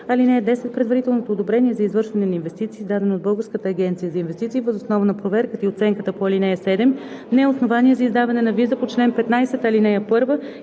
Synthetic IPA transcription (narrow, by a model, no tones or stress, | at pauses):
ɐlinɛjəd̪ɛsɛt̪̚pɾɛd̪vɐɾit̪ɛlˠnot̪oːd̪obɾɛniɛzɐizvɤɾʃvɐnɛnɐinvɛst̪it̪siːzd̪ad̪ɛnod̪̚bɤlˠɡəɾskət̪əːɡʲɛnt̪sijəzɐinvɛst̪it̪siːvəzosnɔvənɐpɾovɛɾkət̪əiot̪sɛŋkət̪əpoɐlinɛjəsɛd̪ɛmnɛɛosnovaniɛzɐizd̪avɐnɛnɐvizəpot͡ʃlɛnpɛt̪najsɛt̪ɐlinɛjəpɤɾvə